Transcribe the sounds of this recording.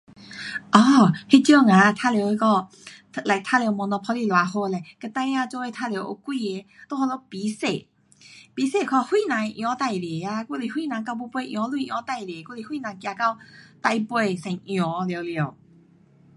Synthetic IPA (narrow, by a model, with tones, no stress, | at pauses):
ʔɔ˧˩he˧t͡ɕjo˥˧˨ŋã˨˦˧t̪ʰa˧˨lje˧kɔ˥˧˩ | la˨jt̪ʰa˥˨ljwmɔ̃˨˧n˧pʰɔ˧˦li˧˨lwa˨ho˧la˨˩kə˧t̪ã˧jã˥˧t͡ɕɔ˧we˧t̪ʰa˧ljo˧wʔo̰˧kwi˥˧e˧t̪o˧˦hʰɔ˧lɔ˧pi˨˦se˧˨ | pi˨˦se˨kʰɔ˧hwi˥˧˨nã˨˦ŋ˧ʔj̃ɔ̃˨˧˦t̪a˧˨jle˨˩a˧ku˧˨li˧˦hwi˥˧˨nã˨˧ŋka˧wbu˧˦pwe˧ʔj̃ɔ̃˧˦lu˧˨ʔj̃ɔ̃˨˧˦t̪a˥˧jle˨˩ku˥˧˨li˧hwi˥˧˨nã˨˧ŋkja˧ka˧wt̪a˧jpwe˧sɛ̃˨˩˦ŋʔj̃ɔ̃˨˦ljo˧˦lje˨˧˨